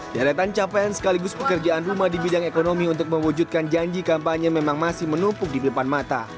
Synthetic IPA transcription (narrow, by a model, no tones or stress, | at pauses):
daɾat̪ant͡ʃapajansə̥kaliɡʊspəkərd͡ʒaʔanrumahdibidaŋekonomiunt̪ʊk̚mə̃wud͡ʒut̪̚kand͡ʒaɲd͡ʒikampaɲəmemaŋmasɪhmənupʊk̚dipidəpanmat̪a̰